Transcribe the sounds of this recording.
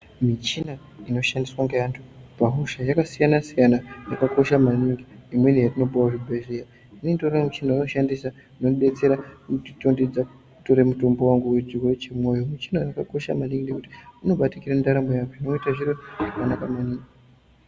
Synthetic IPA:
mit͡ʃina | ino̞ʃandiswaŋɡejantʰu̥paɦuʃajakasijanasijanajakako̞ʃamaniŋɡiimwe̞nijatino̞bawaʐibʱeʒeja | inetoramit͡ʃinainoʃandisa | inoɓe̞t͡se̞ɾautito̞ndid͡zaku | uto̞ɾe̞muto̞mbo̞waŋɡuwet͡ʃiruret͡ʃemwo̞jo̞mit͡ʃinajakako̞ʃa̰maniŋɡɡekuti̥uno̞ɓatikiɾamindaɾambojakoinoitaʐiɾoʐakanakamaniːŋɡi

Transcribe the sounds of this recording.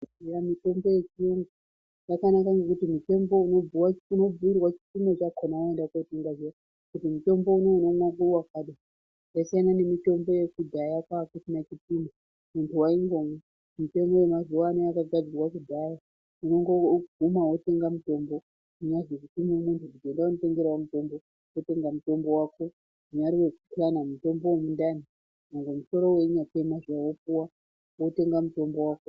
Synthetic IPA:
iɾamito̞mbo̞je̞t͡ʃijoŋɡa | jakanakaŋɡekutimite̞mbo̞uno̞uwauno̞b͡vuirwat͡ʃi̥timot͡ʃakonawoendakoteŋɡaze | kutimuto̞mbo̞unouno̞mwakurwakaɗa | jasaanane̞mito̞mbo̞je̞kudʱajakakusinat͡ʃitima | muntʰuwaiŋɡo̞me | mute̞mo̞we̞mazuwanojakaɡʱad͡zirwakudʱaja | uno̞ŋɡo̞ɡʱumawo̞te̞ŋɡamuto̞mbo̞ | uɲaʐekutimumuntʰuʐikoeendaunote̞ŋɡe̞ɾawamuto̞mbo̞ | wote̞ŋɡamuto̞mbo̞waːko̞ | ʐuɲaɾiwe̞kuplanamuto̞mbowomundani | noŋɡomuso̞ɾo̞we̞ɲatemaʐawopuwa | wote̞ŋɡamuto̞mbo̞waːko

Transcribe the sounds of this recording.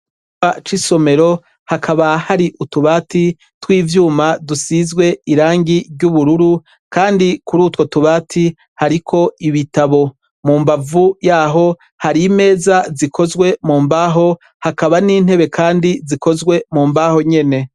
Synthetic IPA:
at͡ʃiso̞me̞ɾo̞ | hakʰaβahaɾiʔutuβaːti | twiːvjuːmadusizɡwe̞iɾaːŋɡiɾɟuβuɾuɾu | kaːndikuɾuːtwo̞tuβaːtʰi | haɾikʰo̞iβitaβo̞ | muːmbavujaːɦo̞ | haɾime̞ːzazikʰo̞zɡwe̞muːmbaːɦo̞ | hakaβaniːn̥he̞βe̞kʰaːndiziko̞zɡwe̞muːmbaːho̞ɲe̞ne̞

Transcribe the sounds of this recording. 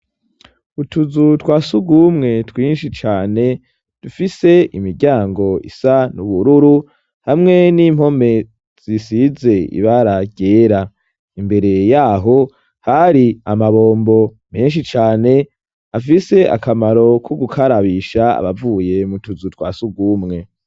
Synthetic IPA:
utuzutwaːsuɡumŋe̞twiːnʃit͡ʃaːne̞ | d̥ufise̞imiɾɟaːŋɡo̞ḭsanuβuɾuɾu | hamŋe̞nim̥ho̞me̞ | z̥isize̞ḭβaɾaɡɟe̞ːɾa | imbe̞ɾe̞jaːɦo̞ | haɾiamaβo̞ːmbo̞ | meːnʃ̬it͡ʃaːne̞ | afise̞ʔa̰kamaɾo̞kʰuɡukʰaɾaβiʃaa̰βavuːje̞mutuzutwa̰ːsuɡumŋe̞

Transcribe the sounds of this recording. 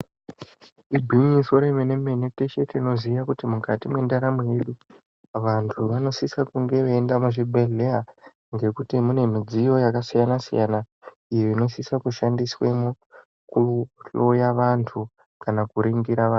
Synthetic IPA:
ibʱiɲiso̞ɾe̞mene̞me̞nete̞ʃe̞teino̞zijakutimukatimwe̞ndaɾameje̞ɗu | ʋantʰuʋano̞sisakuŋɡe̞ʋeːndamuʐibʱeɮea | ŋɡe̞kutimune̞mid͡zijo̞jakasijanasḭjana | ijoino̞sisakuʃandiswemo | kuɬo̞jaʋantʰu | kanakuɾiŋɡiɾaʋan

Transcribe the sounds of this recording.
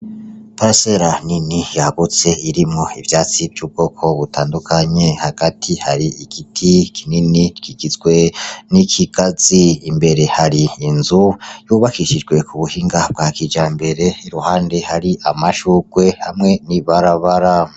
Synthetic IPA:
paɾaseɾaninijaɡut͡se̞iɾimŋo̞ivjaːt͡sivɟuːb̚ɡo̞ːkʰo̞βutaːndukʰaɲe̞haɡ̥atʰihaɾiiɡ̥itʰikʰininit͡ʃkiɡizɡwe̞nikʰiɡ̥aziimbe̞ɾe̞haɾiːnzujuβakiʃid͡ʒɡwe̞kʰuβuhiːŋɡab̚ɡakid͡ʒaːmbe̞ɾe̞iɾuhaːnde̞haɾiʔamaʃuɡ̥we̞hamŋe̞niβaɾaβaɾa

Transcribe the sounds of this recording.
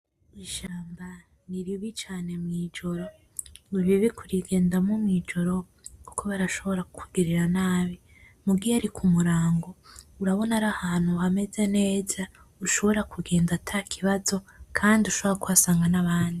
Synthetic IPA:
iʃaːmba | niɾiβit͡ʃaːne̞mŋiːd͡ʒo̞ɾo̞ | wiβiβikʰuɾiɡe̞ːndamumŋiːd͡ʒo̞ɾo̞ | ku̥kʰo̞βaɾaʃo̞βo̞ɾakukʰuɡiɾiɾanaːβi | muɡiaɾikʰumuɾaːŋɡouɾaβo̞naɾahaːn̥huame̞ze̞ne̞ːza | uʃo̞βo̞ɾakʰuɡe̞ːndatʰakʰiβazo̞kʰaːndiuʃoβoɾakuβasaːŋɡanaβaːndi

